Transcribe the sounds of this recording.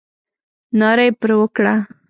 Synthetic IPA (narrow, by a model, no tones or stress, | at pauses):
nɑɾajpəɾwəkɽa